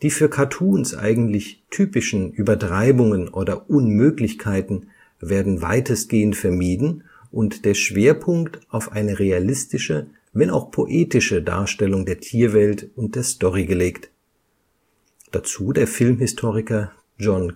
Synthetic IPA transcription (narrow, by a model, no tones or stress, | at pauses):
d̥iːfyːɐkʰatʰuːnsʔa̰ɪɡŋ̩tlɪçtʰyːpɪʃn̩ʔyːbɐtʁ̥aɪbʊŋənʔoːdɐʔʊnmøːklɪçkʰaɪtn̩ | veːɐdn̩va̰ɪtəsɡ̥eːəntfɛɐmiːdn̩ | ʔʊntd̥eːɐʃv̥eːɐpʰʊŋktʔaʊfʔaɪnəʁealɪstɪʃə | vɛnaʊxpʰoʔeːtɪʃəda̰ːɐʃtɛlʊŋdeːɐtʰiːɐvɛltʊnt̚d̥eːɐstɔʁiɡəleːkt | d̥at͡suːdeːɐfɪlmɦɪstʰoːʁ̞ɪkɐ | d͡ʒɔn